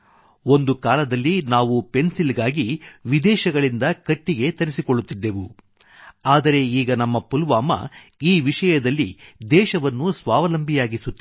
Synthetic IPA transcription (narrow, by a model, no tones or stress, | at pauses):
o̞nd̪ukaːlɐd̪ɐlːinaːʋupe̞nsilɡaːɡiʋid̪ɛːʃɐɡɐɭind̪ɐkɐʈːiɡe̞t̪ɐɾisikoɭːut̪ːid̪ːe̞ʋu | aːd̪ɐɾe̞iːɡɐnɐmːɐpulʋaːmɐ̰ | iːʋiʂɐjɐd̪ɐlːid̪ɛːʃɐʋɐnːusʋaːʋɐlɐmbʱijaːɡisut̪ːi